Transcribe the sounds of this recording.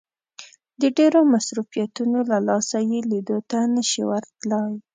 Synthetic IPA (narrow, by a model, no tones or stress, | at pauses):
d̪əɖeɾomasɾufijat̪unolalɑsajelid̪ot̪anəʃḭwəɾt̪ləj